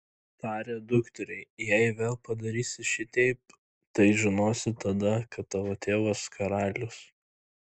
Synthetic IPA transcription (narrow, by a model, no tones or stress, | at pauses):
t̪ɑːɾʲeːd̪ʊkt̪ʲɛɾʲɛɪjɛɪʋʲeːlˠpɐd̪ɐɾʲiːsʲɪʃʲɪt̪ʲɛɪp̚ | t̪ɐɪʒʲɪnoːsʲɪt̪ɐd̪ɐkɐt̪ːɑːʋoːt̪ʲeːʋɐskɐɾɑːlʲʊs